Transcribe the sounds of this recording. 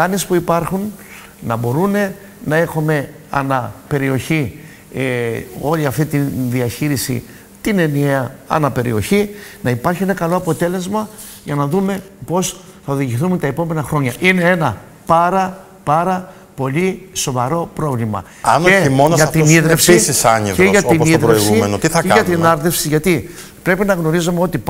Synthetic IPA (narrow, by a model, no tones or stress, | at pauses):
ɐnespuipɐɾxun | nɐbo̞ɾune̞ | nɐe̞xume̞ | ɐ̰nɐpe̞ɾio̞çi | o̞liɐft̪it̪iðiɐçiɾisḭ | t̪ine̞nieɐɐ̰nɐpe̞ɾḭo̞çinɐipɐɾçie̞nɐkɐlo̞ɐpo̞t̪e̞le̞zmɐ | ʝɐnɐðume̞ | po̞s | θɐoðiʝiθumt̪ɐe̞po̞me̞nɐxɾo̞ɲɐʔine̞e̞nɐ | pɐɾɐ | pɐɾɐ | po̞liso̞vɐɾo̞pɾo̞vlimɐ̰ | ɐ̰neimonoɐt̪iniðɾefsisisɐɲieʝɐt̪iniðɾeiɣsuimenot̪iθɐkeɐɣɐt̪inɐɾðefsiʝɐt̪i | pɾe̞pinɐɣno̞ɾizomeo̞t̪i